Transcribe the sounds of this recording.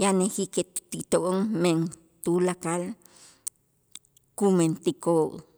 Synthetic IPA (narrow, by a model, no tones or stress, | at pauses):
janehiket̪t̪it̪oʔoŋmeŋ | t̪ulakal | kument̪ikoʔ